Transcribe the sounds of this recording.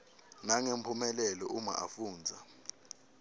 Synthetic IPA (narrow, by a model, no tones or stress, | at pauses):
naŋempʰumɛlɛlɔuma̰ʔafuːnd͡zʱa